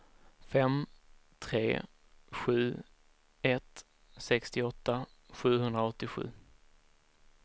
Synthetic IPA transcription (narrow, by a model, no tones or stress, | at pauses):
fɛmt̪ʰɾḛː | ɧʉ̟ː | ɛt̪ | sɛkst̪ɪɔt̪ːaɧʉ̟ːɦɵnd̪ɾaɔt̪ːɪɧʉ̟̰ː